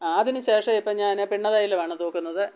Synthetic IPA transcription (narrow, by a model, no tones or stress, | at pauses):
aːðinuɕeːʂɐmipːɐɲaːnpiɳːɐðaːjilʋaːɳɨt̪oːkːunːɐðɨ